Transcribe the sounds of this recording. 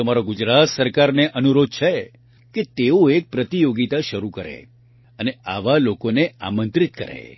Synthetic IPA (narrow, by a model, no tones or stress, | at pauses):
əmaɾoɡʊd͡ʒɾat̪səɾkaɾneʔənuɾod̪̚t͡ʃʰe | ket̪eoek̚pɾət̪ijoɡit̪aʃəɾukəɾḛ | ənea̰ʋalokonea̰mə̃nt̪ɾit̪kə̰ɾḛ